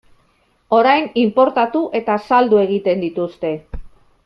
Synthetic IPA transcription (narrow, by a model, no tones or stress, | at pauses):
o̞ɾajnimpo̞ɾt̪at̪uʔe̞t̪asald̪ue̞ɣ̞it̪e̞nd̪it̪ust̪e̞